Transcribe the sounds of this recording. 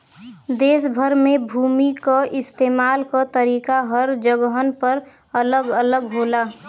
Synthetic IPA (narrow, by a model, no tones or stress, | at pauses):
d̪eːsbʱəɾmebʱuːmikaʔɪst̪eːmaːlkat̪əɾiːkaɦəɾd͡ʒəɡɦənpəɾ | ələɡələɡɦoːla